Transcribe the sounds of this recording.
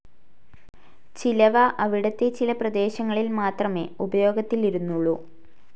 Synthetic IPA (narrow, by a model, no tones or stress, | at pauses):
t͡ɕilɐʋɐʔɐʋiɽɐt̪ːe̞t͡ɕilɐprɐd̪e̞ːɕɐŋːɐɭilmaːt̪rɐme̞̰ːubɐjo̞ːɡɐt̪ːiliɾunːuɭːu